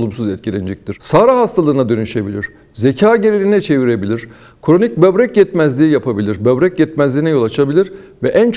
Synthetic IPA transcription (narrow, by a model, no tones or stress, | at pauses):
lˠumsuzɛt̪̚cʰilʲɛnd͡ʒɛc̚t̪iɾ̥saːɾaɦast̪ʰalˠɯːnad̪ø̞nyʃe̞bilʲiɾ̥ | zecʰaːɟeɾelʲinɛt͡ʃʰe̞viɾe̞bilʲiɾ̥ | kʰɾo̞nic̚bøbɾɛc̚jɛt̪mæzlʲiːjapʰabilʲiɾbøbɾɛc̚ɟɛt̪mæzlʲiːnɛjo̞lˠat͡ʃʰabilʲiɾ | vɛʔænt͡ʃʰ